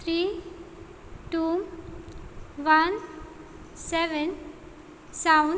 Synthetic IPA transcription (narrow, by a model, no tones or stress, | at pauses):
ɾi | tum | ʋan | sɛʋən | sawn